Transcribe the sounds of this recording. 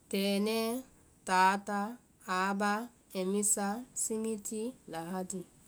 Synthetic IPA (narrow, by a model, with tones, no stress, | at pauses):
te˨ne˦ | ta˨˦ta˦ | a˨˦ba˦ | e˨mi˦sa˦si˦mi˦ti˦la˨ɦa˦di˨